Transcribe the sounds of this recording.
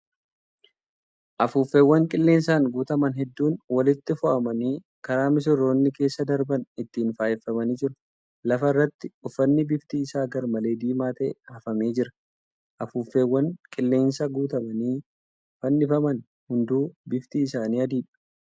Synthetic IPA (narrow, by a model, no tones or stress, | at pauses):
ʔɐfuːfːeːwːɐŋkʼɪlːe̞ːnsaːŋɡuːt̪ɐmɐnɦɛd̪ːuːnwɐlɪt̪ːɪfʊʔɐmɐniː | kɐɾaːmɪs̬ɪro̞ːnːɪke̞ːsːɐd̪ɐɾbɐnɪt̪ːiːnfaːjɛfːɐmɐniːd͡ʒɪɾʊ̥ | lɐfɐɪrːɐt̪ːɪʊfːɐnːɪbɪft̪iːɪsaːɡɐɾmɐle̞ːd̪iːmaːt̪ɐʔɛhɐfɐme̞ːd͡ʒɪɾɐ̥ | ʔɐfuːfːe̞ːwːɐŋkʼɪlːe̞ːnsɐɡuːt̪ɐmɐniː | fɐnːɪfɐmɐn | hʊnd̪uːbɪft̪iːɪsaːniːɐd̪iːᶑɐ̥